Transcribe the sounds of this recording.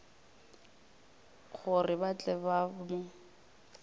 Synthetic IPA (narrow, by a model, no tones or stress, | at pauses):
χʊrɪbat͡ɬʼɛbamʊ